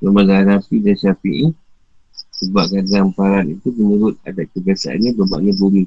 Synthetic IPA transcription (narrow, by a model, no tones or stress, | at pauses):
bəmaɡanafidanʃafḭʔi | səbaʔkadampaɾanit̪uməɲuɾʊt̪̚a̰daʔ̚kəbiasa̰ʔa̰nɲãbəba̰ʔɲabumi